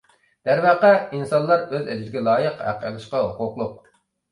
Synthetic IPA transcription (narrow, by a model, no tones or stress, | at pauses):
d̪̥æɾvɑqɛinsɑnlˠɑɾøzɛd͡ʒɪd̪ɪɡʲɛlˠɑːjəqhæ̰qʰːælˠɨʃqɑɦoqʊqlˠʊq̚